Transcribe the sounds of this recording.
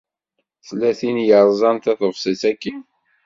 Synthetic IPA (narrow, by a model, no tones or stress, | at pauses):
θlæθinjəɾˤzˤɑnt̪æθəvsˤisækːi